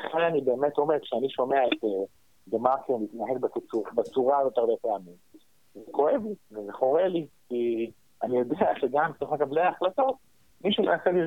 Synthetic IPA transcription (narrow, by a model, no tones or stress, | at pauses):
aχeanibe̞ːme̞t̪o̞mekʃeaniʃo̞me̞aet̪e | demakenit̪naɦe̞kbakit͡subat͡suʁajot̪eʁbepeamim | zekʰo̞e̞vlivezeχo̞ʁe̞liki | anijo̞deaʃeɡambet̪oχmekableaːχlato̞t̪̚ | miʃumenat͡seli